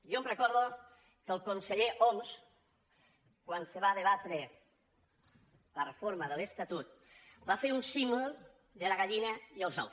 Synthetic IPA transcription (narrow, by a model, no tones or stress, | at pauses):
jomrekɔɾðo | kəlˠkonseʎeʔoms | kwanseβ̞aðeβ̞at̪ɾe | larefoɾmaðəlest̪at̪ut̪̚bafeɾunsimolˠ | d̪əlaɣaʎinaiəlˠza̰w